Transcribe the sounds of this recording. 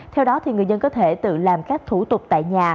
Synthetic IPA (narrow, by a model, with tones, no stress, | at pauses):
t̪ʰɛ˧wɗɔ˨˦t̪ʰi˨˩ŋɨ˨˩əjzə˧nkɔ˨˦t̪ʰe˧˩t̪ɨ̰˧˨laː˨˩mkaː˦˥k̚t̪ʰu˧˩t̪ʊ˨˩k͡p̚t̪a̰ː˧˨jɲaː˨˩